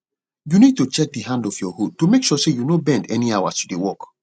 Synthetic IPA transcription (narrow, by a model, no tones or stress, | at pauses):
junid̚tut͡ʃɛk̚dəhãndɔfjɔhud̚tomekʃɔsejunobɛ̃ndɛniawasudewɔk